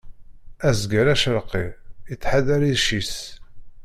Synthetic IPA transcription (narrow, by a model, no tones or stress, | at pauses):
æzɡæɾæʃəɾqːiit͡sːħaðæɾiðʃis